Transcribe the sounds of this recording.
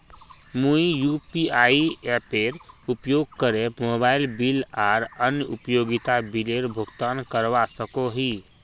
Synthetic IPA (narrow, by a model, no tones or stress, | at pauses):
muijupiaiɛpeɾupjoɡ̚kəɾemobaɪlbilaɾənjəṵpjoɡit̪abileɾbʱuɡt̪ankəɾʋasəkoɦi